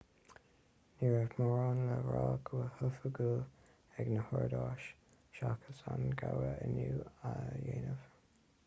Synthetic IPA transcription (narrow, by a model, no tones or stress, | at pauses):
niɹɛvmɔɹanləɹɑːɡʰuəhʊfəɡul | ɛɡnəhɔɹd̪ɑːʃ | ʃakʰə̥sanɡawəənuːajeːnəv